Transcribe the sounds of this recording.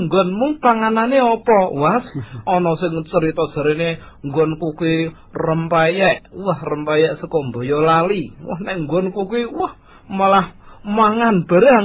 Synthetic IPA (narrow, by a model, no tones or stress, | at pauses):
ŋɡɔnmuŋpaŋananeɔpɔwasʔɔnɔsɪŋt͡ʃəɾit̪ɔd̥ʒ̥ə̤ɾene | ŋɡɔnkukui | rəmpajɛʔwahrəmpajɛʔsəkɔmbo̤jɔlaliwa̰hnɛʔŋɡɔnkukwiwah | malahmaŋanb̥a̤ɾaŋ